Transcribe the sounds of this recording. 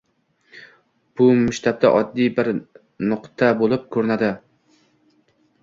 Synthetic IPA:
b̥ʊmʊʃt̪ʰab̚t̪ʰa̰ʔɒd̪ːijbɪɾ | nʊqt̪ʰabolˠɪp̚kʰɵɾɪnad̪ɪ

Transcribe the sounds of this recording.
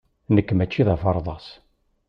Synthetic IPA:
nəkːmæt͡ʃːiðæfɑɾˤðˤɑs

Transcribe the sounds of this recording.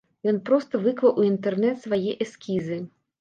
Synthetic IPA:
jɔnpɾɔst̪ɐvɨkvɐwʔuint̪ɛrnɛt̪svajɛʔɛskʲizɨ

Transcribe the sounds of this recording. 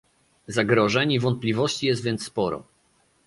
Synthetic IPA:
zaɡɾɔʐɛɲivɔnt̪̚plʲivɔɕt͡ɕijɛst̪vʲjɛnt̪spɔɾɔ̰

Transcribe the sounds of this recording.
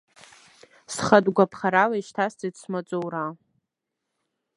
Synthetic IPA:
sχadʼɡʷapʰχaɾalaiʃtʰast͡sidsʰmat͡sʷʼowɾa

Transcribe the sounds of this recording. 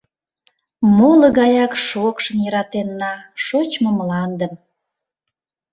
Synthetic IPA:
moləɣɑjɑkʃokʃə̆njəɾɑt̪enːɑʃot͡ɕməmlɑnd̪əm

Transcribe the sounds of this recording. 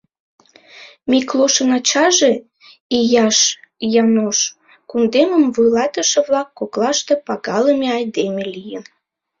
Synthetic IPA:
mikloʃənɑt͡ɕɑʒe | ijɑʃjɑnoʃ | kund̪eməmvujlɑt̪əʃĕβlɑkːoklɑʃt̪epɑɣɑləmeɑjd̪emelijən

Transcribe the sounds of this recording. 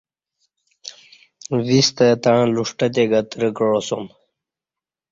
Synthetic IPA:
ʋist̪at̪aɻ̃luʂʈət̪eɡət̪ɾəɡəɻosom

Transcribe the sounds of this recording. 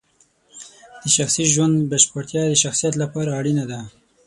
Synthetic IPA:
d̪̥əʃaxsiʒwand̪baʃpəɾt̪jɑd̪əʃaxsijat̪lapɑɾaːɽinad̪a

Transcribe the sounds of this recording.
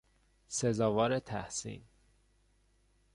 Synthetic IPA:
sezɒːvɒːɾet̪ʰæ̰hsḭːn

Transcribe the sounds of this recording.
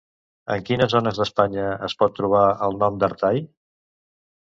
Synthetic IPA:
ə̰ŋkinəzonəzðəspaɲəəspɔt̪ːɾuβ̞aəlˠnɔmd̪əɾt̪aj

